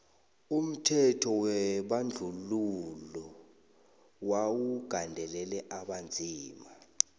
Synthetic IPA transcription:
um̩tʰɛtʰɔwɛɓand͡ɮʱululɔ | wawuɡ̥ʱandʱɛlɛlɛʔaɓand͡zʱiːma

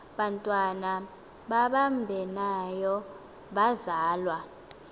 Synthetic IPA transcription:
ɓantʼwana | ɓaɓambʱɛnajɔ | ɓazaːlwa

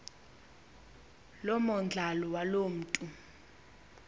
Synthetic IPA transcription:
lɔmɔnd͡ɮʱalɔwalom̩ːtʼu

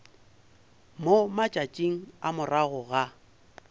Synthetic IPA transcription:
momat͡ʃʼat͡ʃʼiŋ̩amʊraɣʊɣa

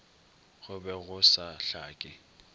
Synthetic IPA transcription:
ɣʊbɛɣʊsaɬaːkʼɪ

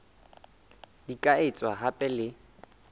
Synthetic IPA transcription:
dikʼaɪt͡sʼwaɦapʼɛlɪ

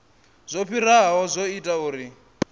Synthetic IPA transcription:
z̥ʷopʰiɾaɦɔzʷoitʼauːɾi

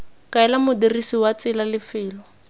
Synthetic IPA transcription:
kʼaɛlamʊdirisiwat͡sɪlalɪfɪːlɔ

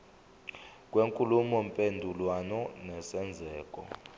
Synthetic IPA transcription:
k̬ʼweŋkʼulumɔmpʼendʱulwanɔnɛsɛnd͡zʱɛːkʼɔ̰

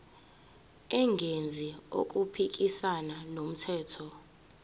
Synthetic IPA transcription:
ɛŋɡʱend͡zʱio̰k̬ʼupʰik̬ʼisananom̩tʰɛːtʰɔ

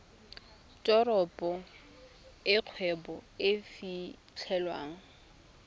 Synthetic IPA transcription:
tʼɔɾɔpʼɔ | ɪq͡χʰwɛbɔɪfi | t͡ɬʰɛlwa̰ːŋ̩

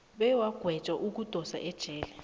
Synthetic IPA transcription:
ɓɛwaɡ̥ʱwɛd̥t͡ʃʼaʔuk̬ud̥ʱʼɔsa̰ʔɛd̥ʒ̥ʱɛːlɛ

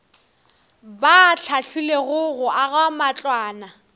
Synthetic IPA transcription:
bat͡ɬʰaɬʰʊleɣʊɣʊʔaɣamat͡ɬʼwaːna

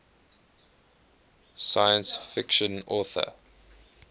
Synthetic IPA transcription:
sajə̃nsfɪkʃə̃nɔːθə̰

